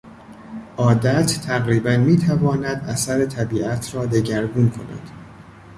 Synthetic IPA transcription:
ʔɒːd̪æt̪ːʰæɣɾiːbænmiːt̪ʰævɒːnæd̪ʔæ̰sæɾet̪ʰæbiːʔæt̪ʰɾɒːd̪e̞ɟæɾɡunkʰo̞̰næ̰d̪̥

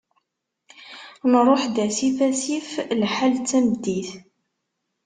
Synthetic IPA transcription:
nɾˤoħd̪æsifæsiflħalt͡sːæməd̪ːiθ

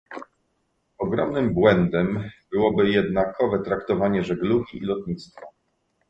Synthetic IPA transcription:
ɔɡɾɔmnɘmbwɛnd̪ɛmbɘwɔbɘjɛd̪nakʰɔvɛt̪ɾakt̪ɔvaɲɛʐɛɡluɡʲiʔḭlɔt̪ɲit̪st̪fa

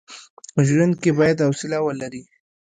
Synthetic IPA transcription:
əʒwand̪̚kebɑjad̪awsɪlawəlaɾi

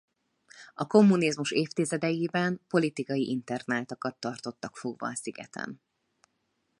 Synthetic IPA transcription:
ɒko̞mːunizmuʃeːft̪izɛd̪ɛjiːbɛnpo̞lit̪ikɒjiʔint̪ɛrnaːt̪ɒkɒt̪ːɒrt̪o̞t̪ːɒkfo̞ɡʋɒ̰ːsiɡɛ̰t̪ʰɛ̰n

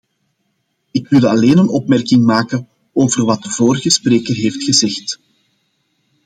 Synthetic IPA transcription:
ɪkʋɪlˠɑleːnənɔpmɛrkɪŋmaːkə | oːvərʋɑt̚dəvoːɾəɣəspreːkərɦeːftxəzɛxt

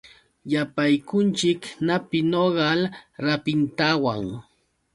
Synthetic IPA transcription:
japajkʊnt͡ʃɪknapɪnoɢɑlɾapɪnt̪awaŋ

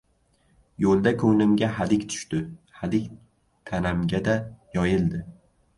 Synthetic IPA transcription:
jolˠd̪akʰɵŋlɪmɡʲaɦalɪkʲt̪ʰʊ̥ʃt̪ɪhalɪkʲ | t̪ʰanamɡʲad̪ajɒjɪld̪ɪ

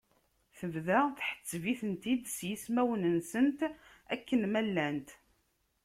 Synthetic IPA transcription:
θəvðæθħə̥t͡sːviθənt̪id̪sjismæwənənsənt̪ | ækːənmælːænt̪

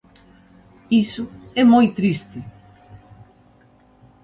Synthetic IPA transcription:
isʊɛmojt̪ɾist̪ɪ

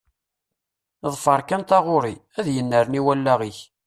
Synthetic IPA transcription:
ðˤfəɾˤkænt̪ɑʁʊɾi | æðjənːəɾəniwælːæʁiç

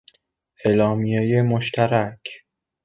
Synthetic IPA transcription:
ʔelɒːmijejemoʃt̪ʰæɾækʰ

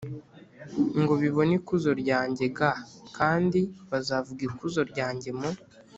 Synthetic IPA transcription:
ŋɡo̞βiβo̞nikuzo̞ɾɟaːɲɟe̞ɡakʰaːndiβazaːvuɡiɾkuzo̞ɾɟaːɲɟe̞mo

